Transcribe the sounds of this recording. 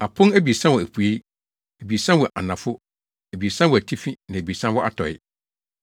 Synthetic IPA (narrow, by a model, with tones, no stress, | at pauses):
a˨pʰʊ̃˦næ˦bi˨e˨sã˦wɔ˨æ˨pʰu˨e˦ | æ˨bi˨e˨sã˦wɔ˨ʔa̰˨nã˨fʊ˦ | æ˨bi˨e˨sã˦wɔ˨æ˨tʰi˦fi˦nã˨bi˨e˨sã˦wɔ˦ʔa̰˦˨tʰɔ˨ɪ̰˦